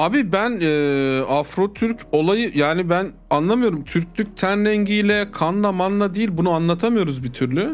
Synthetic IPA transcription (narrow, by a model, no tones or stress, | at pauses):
abibænɛːafɾo̞t̪ʰyɾcʰo̞lˠajɯjaːnibæn | anlˠamɯjo̞ɾumt̪ʰyɾcʰʲlʲyc̚ʲt̪ʰænɾɛɲɟijlʲɛkʰanlˠamanlˠad̪ejilʲbunuanlˠat̪ʰamɯjo̞ɾuzbit̪ʰyɾlʲy